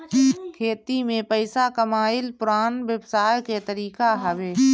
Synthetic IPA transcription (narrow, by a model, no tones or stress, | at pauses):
kʰeːt̪imẽpəɪsakəmaːɪlpʊɾaːnʋebsaːjket̪əɾiːkaɦəʋeː